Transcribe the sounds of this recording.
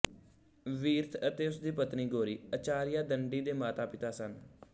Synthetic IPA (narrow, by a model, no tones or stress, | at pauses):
ʋiːɾt̪ʰət̪eːʊsd̪iːpət̪niːɡoːɾiːət͡ʃaːɾɪjaːd̪əɳɖiːd̪eːmaːt̪aːpɪt̪aːsən